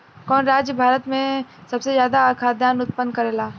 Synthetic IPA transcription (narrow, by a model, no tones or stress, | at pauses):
kɔːnɾaːd͡ʒjəbʱaːɾət̪mẽsɐbsezjaːd̪akʰaːd̪ʱjaːnʊt̪̚pənd̪kɐɾeːlaː